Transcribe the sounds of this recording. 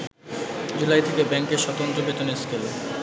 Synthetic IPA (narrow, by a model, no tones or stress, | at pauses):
d͡ʑulajt̪ʰekebɛŋkeɾʃɔt̪ont̪ɾobet̪oneskelo